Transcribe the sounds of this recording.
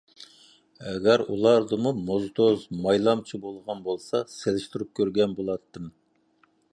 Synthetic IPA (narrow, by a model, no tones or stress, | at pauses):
ɛɡʲɛɾṵlˠɑɾd̪ɨmumozd̪ozmɑjlˠɑmt͡ʃʰibolˠʁɑnbolˠsɑselɪʃt̪uɾup̚kʲʰøɾɡʲɛnbolˠɑt̪ːɨm